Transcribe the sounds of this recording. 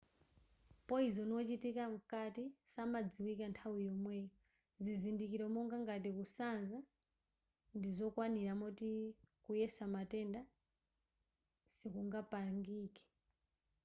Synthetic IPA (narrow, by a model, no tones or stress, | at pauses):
pɔizɔnɔt͡ʃitikam̩katisamad͡ziwikantʰawijɔmwɛːjɔ | zizindikiɾɔmɔŋɡaŋɡatikusanza | ndizɔkwaniɾamɔtikujɛsamatɛnda | sikuŋɡapaŋɡiːkɛ̥